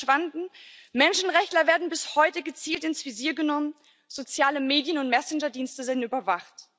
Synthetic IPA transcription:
v̥andn̩ | mɛnʃn̩ʁɛçtlɐveːɐdn̩bɪshɔʏtəɡət͡siːltɪnsv̥iziːɐɡənɔmən | z̥ot͡sjaːləmeːdjənʊntmɛsɪnd͡ʒɐdiːnstəzeːdnyːbɐvaχt

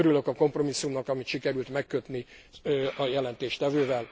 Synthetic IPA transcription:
øɾyløkɒko̞mpro̞misːumnɒkɒmit̪ʃikɛɾylt̪mɛkːøt̪ni | ɒjɛlɛnt̪eːʃt̪ɛvøːvɛl

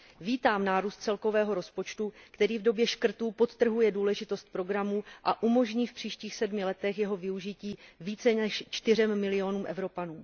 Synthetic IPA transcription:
viːt̪aːmnaːɾuːst̪̚t͡sɛlko̞vɛːɦo̞ɾo̞spo̞t͡ʃt̪ukt̪ɛɾiːvdo̞bjɛʃkr̩t̪uːpo̞t̪t̪ːr̩ɦujɛduːlɛʒɪt̪o̞st̪̚pɾo̞ɡɾamuʔaʔumo̞ʒɲiːfpr̥iːʃciːxsɛdmɪlɛt̪ɛxjɛɦo̞vɪuʒɪciːviːt͡sɛnɛʃt͡ʃt̪ɪr̝ɛmːɪlɪo̞nuːmʔɛ̰vɾo̞panuː

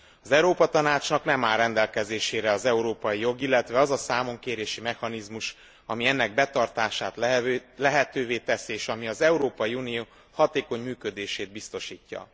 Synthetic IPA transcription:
ɒzɛuɾoːpɒt̪ɒnaːt͡ʃnɒknɛmaːlrːɛnd̪ɛlkɛzeːʃeːɾɛɒzɛuɾoːpɒjijo̞ɡilːɛt̪ʋɛɒzɒsaːmo̞ŋkeːɾeːʃimɛxɒnizmuʃ | ɒmiɛnːɛɡ̚bɛt̪ɒrt̪aːʃaːt̪lɛɦɛt̪øːveːt̪ɛsieːʃɒmiɒzɛuɾoːpɒjiunijoː | hɒt̪eːko̞ɲmyːkø̞d̪eːʃeːd̪̚bist̪o̞ʃiːcːɒ̰

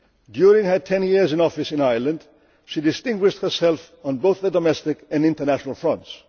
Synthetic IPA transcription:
djʊɹɪ̃ŋə˞tʰɛ̃njɪɹzɨ̃nɔfɨsɨ̃naɪ˞lˠə̃nd | ʃidɨstɪ̃ŋɡwɪʃt̚hə˞sɛlˠf | ə̃n̩boʊθðədəmɛstɪkɨ̃nɪ̃ntə˞næʃənəlˠfɹʌ̃nts

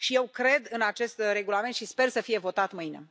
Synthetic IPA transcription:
ʃije̞wkɾe̞d̪ɨnat͡ʃe̞st̪re̞ɡulame̞nt̪ʃispe̞rsəfije̞vo̞t̪at̪mɨinḛ

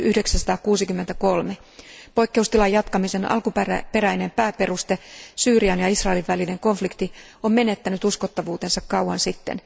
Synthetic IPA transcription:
yhdeksæsɑ̥t̪ɑːkuːsikymːent̪æko̞lme̞ | po̞jkːe̞ust̪ilɑjːɑt̪kɑmise̞nʔɑ̰lkuppe̞ɾæjne̞mpæːpe̞rust̪e̞syːriɑnjɑisrɑeliʋʋæline̞ŋko̞ɱflikt̪i | omme̞ne̞t̪ːænyt̪uskot̪ːɑʋuːt̪e̞nsɑkkɑuɑnsit̪ːḛn

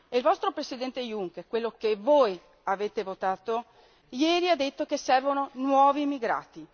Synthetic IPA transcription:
eilvɔst̪ɾopɾesid̪ɛnt̪ejuŋkerkwelːokevoːj | aveːt̪evot̪aːt̪o | jɛːɾiad̪ːet̪ːokesːɛrvononwɔːviːmːiɡɾa̰ːt̪i

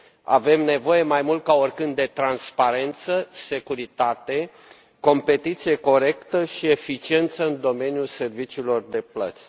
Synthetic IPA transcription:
a̰vemne̞vo̞je̞majmult̪̚kaorkɨnd̪̚d̪e̞t̪ɾanspaɾe̞nt̪səse̞kuɾit̪at̪e̞ | ko̞mpe̞t̪it̪sije̞ko̞ɾe̞kt̪əʃie̞fit͡ʃie̞nt̪səɨnd̪o̞me̞njulse̞rvit͡ʃiːlo̞rd̪e̞plə̰t̪sʲ

